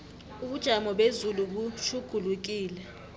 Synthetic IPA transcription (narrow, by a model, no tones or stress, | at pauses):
uɓud̥ʒ̥ʱamɔɓezuluɓuʃʰuɡ̥ʱuluk̬iːlɛ